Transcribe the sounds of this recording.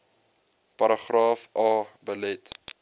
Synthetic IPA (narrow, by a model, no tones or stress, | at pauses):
pɐɾəχrɑːfʔɑːbəlɛt